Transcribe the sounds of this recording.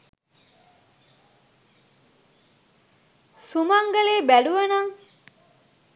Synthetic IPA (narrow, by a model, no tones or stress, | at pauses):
sumɐŋɡɐleːbæɖuʋɐnɐŋ